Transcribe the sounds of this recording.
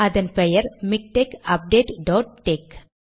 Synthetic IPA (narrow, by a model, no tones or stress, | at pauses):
ɐðɐnpɛjɐɾmɪk̚ʈeːkɐp̚ɖeːʈɖɔːʈːeːk